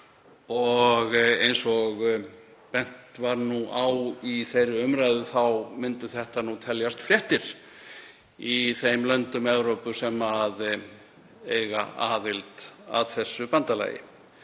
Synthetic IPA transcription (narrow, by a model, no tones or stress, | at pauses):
ɔɣejnsɔɣ | pɛn̥t̪vaɾnuʔawiθejɾɪʏmɾajðʏθawmɪnt̪ʏθɛht̪anut̪ʰɛljast̪fljɛht̪ɪɾ̥ | iθejmlœnt̪ʏmɛvɾowpʏsɛmað | ejɣa̰a̰ːðɪlt̪a̰ðθɛsːʏpant̪ala̰ːjɪ̰